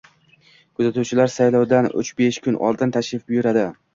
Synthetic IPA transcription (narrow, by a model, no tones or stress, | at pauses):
kʰʊzat̪ʰuwt͡ʃʰɪlaɾsajlˠɒwd̪anʊ̰t͡ʃbeʃkʰʊnʔɒ̰lˠd̪ɪnt̪ʰaʃɪfbʊjʊɾad̪ɪ